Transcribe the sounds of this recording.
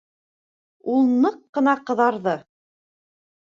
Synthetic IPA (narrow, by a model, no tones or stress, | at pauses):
ulˠnɤqːɤ̆nɑqɤ̆ðɑɾðɤ